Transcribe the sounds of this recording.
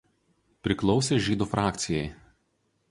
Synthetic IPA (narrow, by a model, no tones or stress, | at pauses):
pʲɾʲɪklˠɒʊsʲeːʒʲiːd̪uːfɾɑːkt̪sʲɪjɛɪ